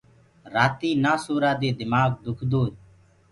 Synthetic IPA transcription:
ɾaːt̪iːnaːsoːɾaːd̪eːd̪ɪmaːɡd̪ʊkʰd̪oː

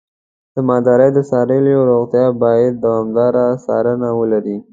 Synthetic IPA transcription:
d̪̥əmɑd̪ɑɾəjd̪əsɑɾəljoɾoɣt̪jɑbɑjad̪̚ːawɑmd̪ɑɾasɑ̰ɾənawəlaɾi

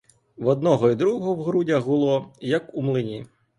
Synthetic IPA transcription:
ʋɔd̪nɔɦɔid̪ɾuɦɔɦɔwɦɾudʲɐɦbʊlˠɔjɐkumlˠɪnʲi

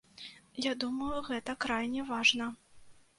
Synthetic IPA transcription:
jad̪umɐjuɣɛt̪ɐkɾajnʲɛvaʐnɐ

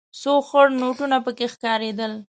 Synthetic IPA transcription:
soxəɽnoʈunapəkexkɑɾed̪əl

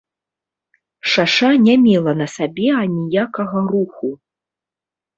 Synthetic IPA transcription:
ʂaʂanʲamʲɛlˠɐnɐsabʲɛɐnʲijakɐɣɐruxu

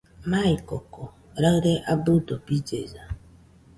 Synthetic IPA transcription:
maikɔkɔ | ɾaɣɾeʔabʊdopid͡ʒḛza

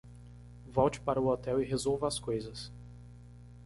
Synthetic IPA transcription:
vɔwt͡ʃɪ̥paɾɐuɔt̪ɛwɪɦezowvɐskojzɐs

